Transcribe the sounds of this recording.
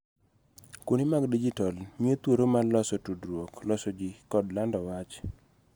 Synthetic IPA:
kwonimaɡdid͡ʒitɔlmiet̪woɾomalɔsɔtudɾwoklɔsɔd͡ʒikɔdlandɔwat͡ʃ

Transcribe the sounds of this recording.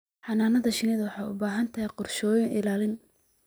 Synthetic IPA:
ħɑnaːnɐðɐʃɪnɪðɐwɑħɑːʊ̰baːɦɐnt̪ʰɐɦɛqɔrʃɔːjɪŋʔɪlaːlɪn

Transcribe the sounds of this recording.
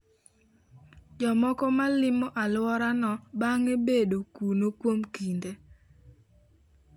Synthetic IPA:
d͡ʒɔmɔkɔmalɪmɔʔalwɔɾanɔbaŋebedokunokwomkinde

